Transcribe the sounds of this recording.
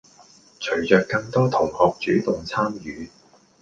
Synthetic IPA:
t͡ʃʰɵ˨˩ɥt͡ʃœː˨kːɐ˧ŋt̪ɔː˥t̪ʰʊ˨˩ŋhɔː˨k̚t͡ʃyː˨˥t̪ʊ˨ŋt͡sʰaː˥mjyː˨˧

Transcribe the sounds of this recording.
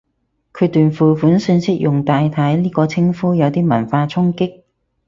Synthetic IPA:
kʰɵ˨˧t̪yː˨nfuː˨fuː˨˥nsyː˨˧nsɪ˥k̚jʊ˨˩ŋt̪aː˨jt̪ʰɐ˨˥jliː˥kɔː˧t͡sʰɪ˥ŋfuː˥jɐ˨˧wt̪iː˥mɐ˨˩nfaː˧t͡sʰʊ˥ŋkɪ˥k̚

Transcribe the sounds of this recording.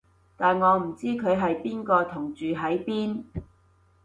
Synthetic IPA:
t̪aː˨nŋɔː˨˧m̩˨˩t͡siː˥kʰɵ˨˧ɥɦɐ˨jpiː˥nkɔː˧t̪ʰʊ˨˩ŋt͡ʃyː˨ɦɐ˨˥jpiː˥n

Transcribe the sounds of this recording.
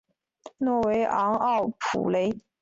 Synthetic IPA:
nwɔ˥˩we˧˥ɪʔɑ˧˥ŋɑ˥˩ʊpʰṵ˨˩le˧˥ɪ

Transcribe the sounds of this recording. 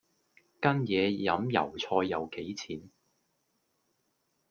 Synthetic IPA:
kɐ˥njɛː˨˧jɐ˨˥mjɐ̰˨˩wt͡sʰɔː˧jːɐ˨˧wke˨˥jt͡sʰiː˨˥n

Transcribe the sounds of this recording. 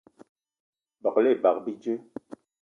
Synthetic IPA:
bɔ˨klɛ˦˨ba˨k̚bi˦d͡ʒe˦

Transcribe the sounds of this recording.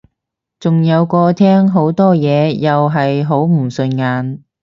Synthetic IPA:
t͡sʊ˨ŋjɐ˨˧wkɔː˧t̪ʰɛː˥ŋɦo˨˥wt̪ɔː˥jɛː˨˧jɐ˨wɦɐ˨jɦo˨˥wm̩˨˩sɵ˧nŋaː˨n

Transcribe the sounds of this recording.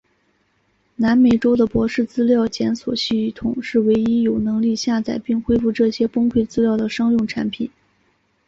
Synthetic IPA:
na˧˥nme˨˩ɪʈ͡ʂo˥ʊd̪ə˨pwɔ˧˥ʂɻ̩˥˩t͡sɹ̩˥ljɑ˥˩ʊt͡ɕjɛ˧˥nswɔ̰˨˩ɕy˥˩˥t̪ʰʊ˨˩˦ŋʂɻ̩˥˩we˧˥ɪi˥jo˨˩ʊnɤ˧˥ŋli˥˧ɕja˥˧t͡sa˥˩ɪpi˥˩ŋxwe˥ɪfu˥˧ʈ͡ʂɤ˥˩ɕjɛ˥pʊ˥ŋkʰwe˥˩ɪt͡sɹ̩˥ljɑ˥˩ʊd̪ə˩ʂɑ˥ŋjʊ˥˩ŋʈ͡ʂʰa˧˥npʰi˨˩˦n

